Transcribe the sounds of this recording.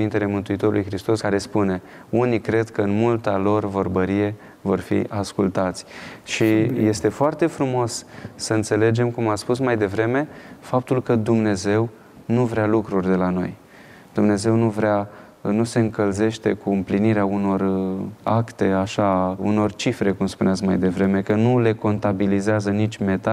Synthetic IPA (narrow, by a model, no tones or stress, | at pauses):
int̪e̞le̞mɨnt̪uit̪o̞ɾulujxɾist̪o̞skaɾe̞spune̞ | unikɾe̞d̪kəɨnmult̪alo̞rvo̞rbəɾije̞ | vo̞rfḭʔaskult̪at̪sʲʃije̞st̪e̞foart̪e̞fɾumo̞ssəɨnt̪se̞le̞d͡ʒe̞mkumaspusmajd̪e̞vɾe̞me̞fap̚t̪ulkəd̪umne̞ze̞w | nuvɾealukɾurʲd̪e̞lano̞̰j | d̪̥umne̞ze̞wnuvɾea | nuse̞ɨŋkəlze̞ʃt̪e̞kuɨmpliniɾeauno̞rakt̪e̞aʃaṵno̞rt͡ʃifɾe̞kumspuneat̪s̬kmajd̪e̞vɾe̞me̞kənule̞ko̞nt̪abilizeazənit͡ʃʲme̞t̪a